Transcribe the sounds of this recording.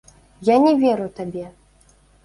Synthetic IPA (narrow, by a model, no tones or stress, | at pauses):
janʲɛvʲɛɾut̪abʲɛ